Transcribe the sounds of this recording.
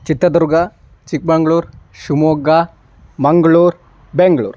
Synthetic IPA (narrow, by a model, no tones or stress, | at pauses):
t͡ʃit̪ɾɐd̪uɾɡa | t͡ʃik̚bɐŋɡɭuːɾʃumoːɡa | mɐŋɡɐɭuːɾ | beŋɡɭṵːɾ